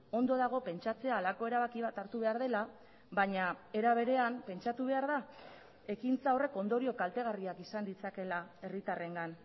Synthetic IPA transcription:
o̞nd̪o̞ðaɣ̞o̞pe̞nt͡ʃat͡se̞aːlako̞e̞ɾaβakiβat̪aɾt̪uβe̞aɾð̞e̞la | βaɲae̞ɾaβ̞e̞ɾe̞ampe̞nt͡ʃat̪uβ̞e̞aɾða | e̞kint͡saore̞ko̞nd̪o̞ɾio̞kalt̪e̞ɣariakisand̪it͡sake̞lae̞rit̪are̞ŋɡan

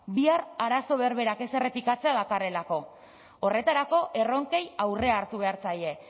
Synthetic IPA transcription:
biaraɾaso̞βe̞ɾβe̞ɾake̞se̞re̞plikat͡se̞aðakare̞lako̞ː | re̞t̪aɾako̞ʔe̞ro̞ŋke̞jawre̞aːɾt̪uβe̞aɾt͡saje̞

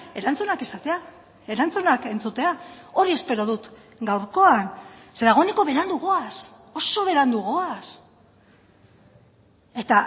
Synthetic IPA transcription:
e̞ɾant͡sunakesat̪e̞a | e̞ɾant͡sunake̞nt͡sut̪e̞ao̞ɾie̞spe̞ɾoðut̪ | ɡawɾko̞anse̞ðaɣ̞o̞eneko̞βe̞ɾand̪uɣo̞as | o̞so̞βe̞ɾand̪uɣo̞as | e̞t̪a

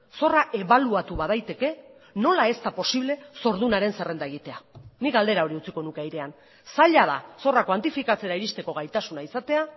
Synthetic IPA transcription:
so̞raʔe̞βaluat̪uβað̞ajt̪e̞ke̞no̞lae̞st̪apo̞siβle̞so̞ɾðunaɾe̞nse̞re̞nd̪aeɣ̞it̪e̞anikɡald̪e̞ɾao̞ɾiut͡siko̞nukeajɾean | saʎað̞a̰so̞rakwant̪ifikat͡se̞ɾaiɾist̪e̞ko̞ɣ̞ajt̪asunaisat̪e̞a

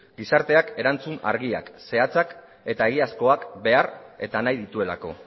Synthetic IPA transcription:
ɡisaɾt̪e̞ake̞ɾant͡suna̰ɾɣia̰kse̞at͡sak | e̞t̪ae̞ɣ̞iasko̞akbe̞are̞t̪anajðit̪ue̞la̰ko̞̰

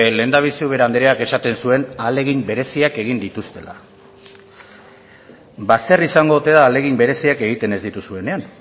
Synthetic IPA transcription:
le̞nd̪aβ̞isiuβ̞e̞ɾand̪eɾeake̞sat̪e̞nsue̞nale̞ɣimbe̞ɾe̞siake̞ɣ̞ind̪it̪ust̪e̞la̰ | baserisaŋɡo̞ut̪e̞ðaːle̞ɣimbe̞ɾe̞siake̞ɣ̞it̪e̞ne̞zd̪it̪usue̞ne̞an

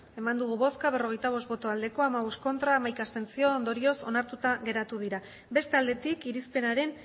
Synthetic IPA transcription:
e̞mand̪uɣ̞uβo̞skaβ̞e̞ro̞ɣ̞e̞jt̪aβ̞o̞st̪bo̞t̪o̞ald̪e̞ko̞amaβ̞osko̞nt̪ɾaːmajkast̪e̞nt͡sio̞ːnd̪o̞ɾio̞so̞̰naɾt̪ut̪aɣe̞ɾat̪uð̞iɾa | be̞st̪e̞ald̪e̞t̪ikiɾispe̞naɾe̞n

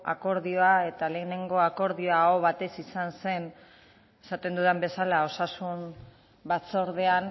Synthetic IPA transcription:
a̰ko̞ɾðioae̞t̪ale̞ːne̞ŋɡo̞ako̞ɾðioaɣo̞βat̪e̞sisanse̞n | e̞sat̪e̞nd̪uðembe̞salao̞sasum | bat͡so̞ɾðe̞an

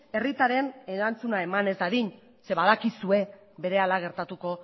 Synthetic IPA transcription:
e̞rit̪aɾe̞ne̞ɾant͡sunae̞mane̞zd̪aðiɲ | se̞βaðakisue̞ | be̞ɾe̞alaɣ̞e̞ɾt̪at̪uko̞

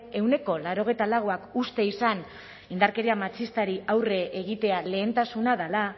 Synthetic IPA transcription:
e̞wne̞ko̞laɾo̞ɣ̞e̞jt̪alaɣ̞oakust̪e̞isan | ind̪aɾke̞ɾiamat͡ʃist̪aɾiawre̞ʔeɣ̞it̪e̞ale̞ːnt̪asunaðala

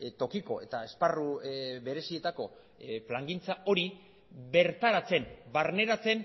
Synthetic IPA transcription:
t̪o̞kikoe̞t̪ae̞sparuβe̞ɾe̞sie̞t̪ako̞ | plaŋɡint͡sao̞ɾi | βe̞ɾt̪aɾat͡se̞nbaɾne̞ɾat͡se̞n

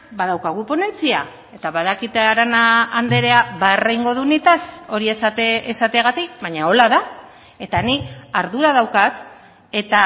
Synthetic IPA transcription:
bað̞awkaɣ̞upo̞ne̞nt͡sia̰ | e̞t̪aβaðakit̪eaɾanaːnd̪e̞ɾe̞aβaerejŋɡo̞ðunit̪aso̞ɾiesat̪eesat̪eaɣat̪ik̚βaɲao̞laða | e̞t̪aniaɾðuɾaðawkat̪ | e̞t̪a

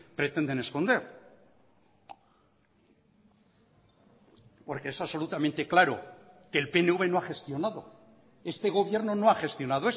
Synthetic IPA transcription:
pɾe̞t̪e̞nd̪e̞nesko̞nd̪e̞ɾ | po̞ɾkeesaβso̞lut̪ament̪eklaɾo̰kelpe̞neuβe̞noaxe̞st̪jo̞naðo̞̰ | e̞st̪e̞ɣ̞o̞β̞je̞ɾno̞no̞axe̞st̪jo̞nað̞oe

